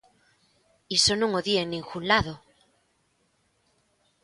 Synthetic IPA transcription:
isonũŋoðieŋnĩŋxunlaðo

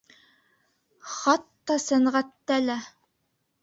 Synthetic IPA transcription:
χɑt̪ːɑsæŋʁæt̪ːælæ

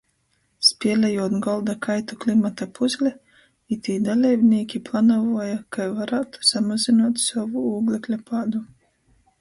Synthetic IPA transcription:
spʲiɛlʲɛjuɔt̪ɡɔlˠd̪akajt̪uklʲimat̪apuzʲlʲɛ | it̪ʲiːd̪alʲɛjbnʲiɛkʲiplˠanɔvuːjakajvaɾaːt̪u̥samazinuɔt̪sɔvuuːɡlʲˠɛklʲapad̪u

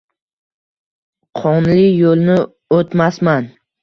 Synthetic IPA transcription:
qʰɒnlɪjolnɪ | ot̪masman

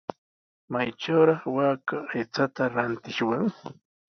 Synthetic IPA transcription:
majʈ͡ʂawɾɑχwaːkaːjt͡sat̪aɾant̪ɪʃwaŋ

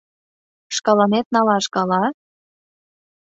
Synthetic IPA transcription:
ʃkɑlɑnet̪̚nɑlɑʃkɑlɑ

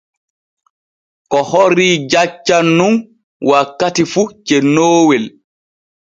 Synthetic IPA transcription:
kɔhɔɾiːd͡ʒat͡ʃːanːun | wakːatifut͡ʃɛnoːwɛl

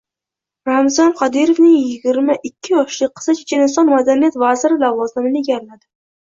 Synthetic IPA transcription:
ɾamzɒnqʰɑd̪iɾovnɪŋjɪɡʲɪɾmaʔɪkʲʰːɪjɒʃlɪqʰːɨ̥sat͡ʃʰe̥t͡ʃʰanɪnsɒnmad̪anijat̪vazɪɾɪlavɒzɪmlɪɡʲaɾlad̪ɪ

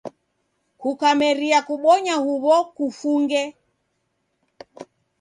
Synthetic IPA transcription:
kukamɛɾiakuɓɔɲahuβɔkufuŋɡɛ

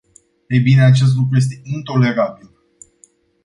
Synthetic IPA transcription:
ejbine̞at͡ʃe̞s̬t̪lukɾuje̞s̬t̪e̞int̪o̞le̞ɾabil

